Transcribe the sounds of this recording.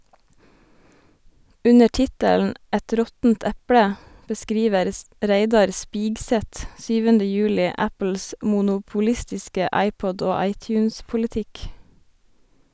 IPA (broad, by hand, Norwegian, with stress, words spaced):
ˈʉnə ˈʈɪtəln̩ ˈʔɛt ˈɾɔtn̩t ˈɛpɽə bəˈskɾiːʋəɾ ˈɾeɪdɑɾ ˈspiːɡsɛt ˈsyːʋəndə ˈjʉːlɪ ˈæpl̩s mʊnʊpʊˈlɪstɪskə ˈɑɪˌpɔd ˈoː ˈɑɪˌtjʉːnspʊlɪˌtɪk